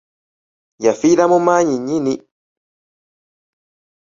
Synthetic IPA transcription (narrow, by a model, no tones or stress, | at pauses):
jafiɾamomaːɲiɲini